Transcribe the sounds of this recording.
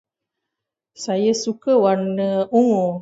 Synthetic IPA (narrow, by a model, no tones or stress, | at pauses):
sajəsukəwanəuŋo